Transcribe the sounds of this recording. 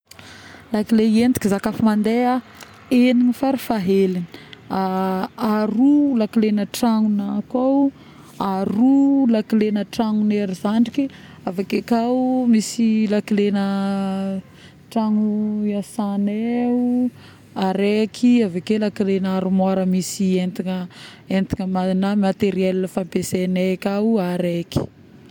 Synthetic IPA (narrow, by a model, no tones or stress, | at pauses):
lakileend̪i̥kizakafimand̪ea | eniɲifaɾifaɦeliniaaɾulakilenəʈ͡ʂaŋunakaw | arulakilenəʈ͡ʂaŋuneɾizaɳɖ͡ʐiki | avakekawmisilakilenə | ʈ͡ʂaŋuasaneu | aɾekʰiavakelakilenaɾumaɾəmisient̪iŋəent̪iŋəmanamat̪eɾielːəfapesenekʲawuaɾeki̥